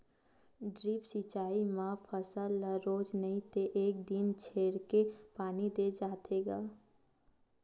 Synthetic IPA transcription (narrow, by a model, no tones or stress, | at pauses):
d̪ɾiːpsit͡ʃaːimãfʰəsəlːəɾoːd͡ʒnəĩt̪eʔeːk̚d̪int͡ʃʰeːɾkepaːnid̪ed͡ʒaːt̪ʰeːɡaː